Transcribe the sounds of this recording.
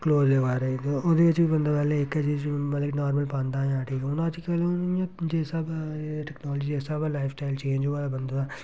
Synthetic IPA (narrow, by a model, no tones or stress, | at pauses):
kloːzleːʋaːɾet̪oʊd̪iɐt͡ʃbibɐnd̪abɛːleekɐd͡ʒimɐəɡnaːɾməlpãːnd̪aãːʈʰiːkɛʊnãt͡ʃkɐleʊnd͡ʒɛːsabʈɛknɔːld͡ʒiɛːsabalaːɪpʰsʈaːɪlt͡ʃẽːnd͡ʒʋaːlabɐnd̪aaː